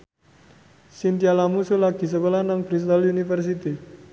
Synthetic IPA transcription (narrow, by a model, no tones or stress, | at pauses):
sint̪ialamusulaɡ̥i̤səkəlanaŋpɾis̬t̪alunifərs̬it̪i